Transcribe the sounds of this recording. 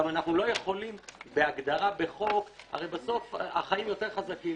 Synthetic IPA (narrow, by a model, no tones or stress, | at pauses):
amanaχnulo̞je̞χo̞limbe̞aɡd̪aʁabe̞χo̞ka̰ʁejbaso̞fa̰χaimjo̞te̞ʁχazakim